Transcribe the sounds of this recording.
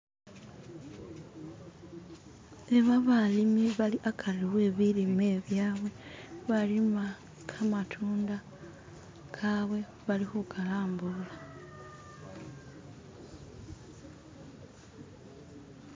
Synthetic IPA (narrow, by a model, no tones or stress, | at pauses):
e̞βaβalimiβaliʔakʰaliwe̞ːβilime̞ːβjaːβwe̞βalima | kʰamatʰuːnda | kʰaβwe̞ | βalixukʰalaːmbula